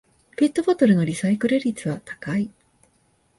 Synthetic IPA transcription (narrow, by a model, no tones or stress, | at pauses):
pe̞t̪ːobot̪o̞ɾɯ̟no̞ɾʲisaikɯ̟ɾɯɾʲit͡sɨβat̪ḁkai